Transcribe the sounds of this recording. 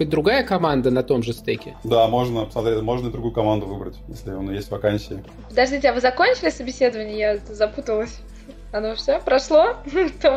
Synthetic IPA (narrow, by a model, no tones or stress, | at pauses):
ɨt̚ʲd̪ɾʊɡajəkɐmand̪ənɐt̪o̞mʐɨst̪ekʲɪd̪amo̞ʐnəpsmɐt̪ɾʲetʲmoʐnəɪd̪ɾʊɡujʊkɐmand̪ʊvɨbɾətʲjesʲlʲɪonjesʲtʲvɐkanʲsʲɪː | pəd̪ɐʐdʲitʲɪɐvɨzɐkonʲt͡ɕɪlʲɪsəbʲɪsʲe̞d̪əvənʲɪəjaɛt̪əzɐput̪əlˠəsʲ | ɐnofsʲopɾɐʂlˠot̪o